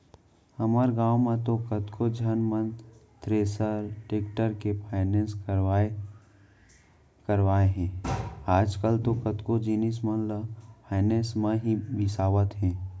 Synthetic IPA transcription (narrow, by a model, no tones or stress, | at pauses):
həməɾɡaːwmẽt̪okət̪kod͡ʒʱənmə̃nt̪ɾeːsəɾʈeːkʈəɾkepʰaːɪnẽːnse | kəɾʋaːeɦɛ̃ːaːd͡ʒkəlt̪okət̪kod͡ʒinismənləpʰaːɪnẽːsmãɦibɪsaːʋət̪ɦɛ̃ː